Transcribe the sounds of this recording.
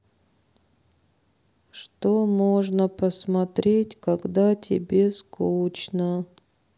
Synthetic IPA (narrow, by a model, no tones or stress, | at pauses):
ʂt̪omoʐnəpəsmɐt̪ɾʲetʲkɐɡd̪atʲʰɪ̰bʲe̞skut͡ɕnə